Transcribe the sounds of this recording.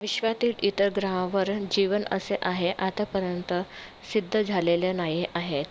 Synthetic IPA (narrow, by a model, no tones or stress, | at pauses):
ʋiɕʋat̪iːlit̪əɾɡɾaɦãʋəɾd͡ʑiʋənə̰seʔaɦeʔat̪apəɾjənt̪ə | sid̪ʱːəd͡zʱaleljanajiʔaɦet̪